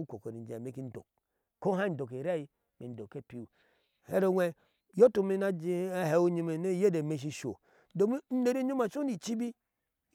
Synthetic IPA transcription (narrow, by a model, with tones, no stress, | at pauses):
u˦ko˨ko˨ni˨d͡ʒa˨me˨˦ki˦n̩˦do̰˨k | ko˦ɦa˦n̩˨do˨ke˨ɾa˦˨ji˨ | me˨do˨ke˦˨pi˨u˨ | he˦ɾo˦wʷe˨ | jo˦tu˨mi˦na˦d͡ʒi˦he˨o˦ɲi˦me˨ne˦je˦de˨me˨ʃ̬i˦ʃo̰˨˦ | do˨m˦n̩˦ne˨ɾe˦ɲo˦ma˨t͡ʃo˦ni˨t͡ʃi˦bi˦